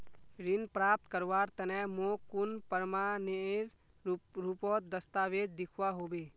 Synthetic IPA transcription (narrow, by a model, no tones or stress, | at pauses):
ɾɪnpɾaːp̚t̪kəɾʋaɾt̪ənɛmokʊnpəɾmaneɾ | ɾupɔt̪̚d̪əst̪aːʋed͡ʒd̪ɪkʰwaɦoːbeː